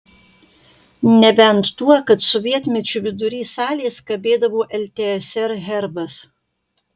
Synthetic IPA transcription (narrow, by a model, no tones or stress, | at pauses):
nʲɛbʲɛnt̪ːuɔkɐt̪sʊʋʲiɛt̪ʲmʲɛt͡ʃʲʊʋʲɪd̪ʊɾʲiːsɑːlʲeːskɐbʲeːd̪ɐʋoːʔɛlʲt̪ʲɛɛsʲɛɾɦʲɛɾbɐs